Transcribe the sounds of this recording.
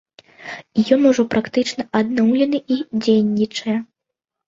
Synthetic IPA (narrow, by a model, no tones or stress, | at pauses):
ijɔnuʐɔpɾʔakt̪ɨt͡ʂn̪ɐʔad̪̚nɔwlʲɛn̪ɨʔid͡zʲejnʲːit͡ʂɐjɛ